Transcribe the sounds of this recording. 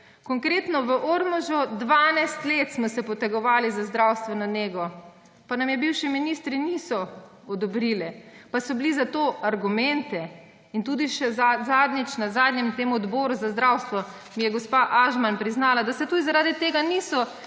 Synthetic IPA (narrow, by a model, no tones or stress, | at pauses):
kɔŋkɾeːt̪nɔʋəʔoɾmɔʒɔd̪ʋanajst̪leːt̪smɔsɛpɔt̪ɛɡɔʋaːlizazd̪ɾawst̪ʋɛnɔneːɡɔ | panamjɛbiwʃiminist̪ɾinisɔ | ɔd̪ɔbɾilɛpasɔblizat̪oʔaɾɡumɛnt̪ɛ | int̪ud̪iʃɛzazaːd̪nit͡ʃnazaːd̪njɛmt̪eːmuɔd̪bɔːɾuzazd̪ɾawst̪ʋɔ | mijɛɡɔspaʔaʒmanpɾiznaːlad̪asɛt̪uːd̪izaɾaːd̪it̪eːɡanisɔ